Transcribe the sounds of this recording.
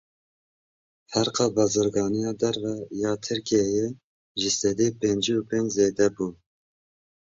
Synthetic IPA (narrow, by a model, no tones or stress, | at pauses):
fæɾqɑːbɑːzɨɾɡɑːnijɑːd̪ɛɾvɛjɑːt̪ʰɨɾkijɛje | ʒɪsɛd̪eːpend͡ʒupeːnd͡ʒzeːd̪ɛbuː